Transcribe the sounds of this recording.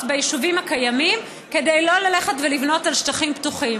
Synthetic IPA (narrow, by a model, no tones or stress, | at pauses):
tbejiʃuvimakajamim | ke̞dejlo̞lale̞χetvelivno̞talʃt̪aχimptuχim